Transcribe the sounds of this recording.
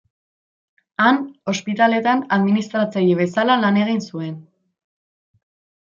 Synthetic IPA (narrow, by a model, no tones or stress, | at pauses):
ano̞spit̪ale̞t̪anaðminist̪ɾat͡sajiβ̞e̞salalane̞ɣ̞insue̞n